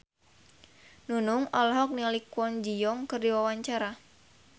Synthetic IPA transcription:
nunuŋɔlɦɔk̚nialikuɔnd͡ʒijɔŋkɨrdiwawaɲt͡ʃaɾa

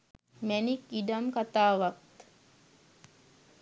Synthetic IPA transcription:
mænikidamkat̪aːʋakt̪

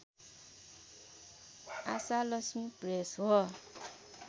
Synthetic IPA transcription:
a̰salʌsmipresɦo

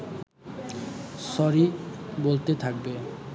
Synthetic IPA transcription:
sɔɾibolt̪et̪ʰak̚be

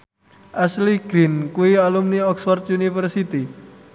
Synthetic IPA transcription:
ʔasliɡ̥ɾinkuialumniɔksfɔrt̪junifərsit̪i

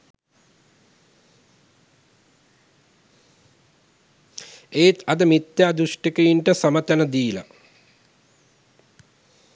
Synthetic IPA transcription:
eːt̪ɐd̪ɐmit̪jaːd̪uʂʈɐkɐjiɳʈəsɐmɐt̪ɐnɐd̪iːlɐ̰

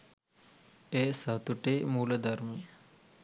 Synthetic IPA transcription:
esat̪uʈemuːləd̪ɐɾmi

